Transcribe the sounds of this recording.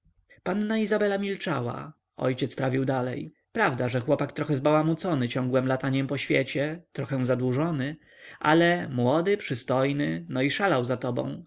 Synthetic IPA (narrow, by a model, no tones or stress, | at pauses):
panːaizabɛlamʲilt͡ʂa̰wa̰ | ɔ̰jt͡ɕɛt̪spɾavʲiwd̪alɛj | pɾavd̪aʐɛxwɔpakt̪ɾɔxɛzbawamut̪sɔnɘt͡ɕɔ̃ŋɡwɛmlat̪aɲɛmpɔɕfʲjɛ̰t͡ɕɛt̪ɾɔxɛw̃zad̪wuʐɔnɘ | ʔa̰lɛmwɔd̪ɘpʂɘst̪ɔjnɘnɔiʂalawzat̪ɔbɔ̰̃w̃